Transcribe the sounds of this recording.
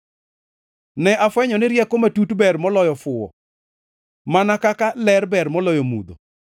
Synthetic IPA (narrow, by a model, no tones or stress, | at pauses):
nɛʔafwɛɲɔnɪɾjɛkomatutbɛrmɔlɔjɔfʊwɔ̰ | manakakalɛrbɛrmɔlɔjɔmṵd̪o̰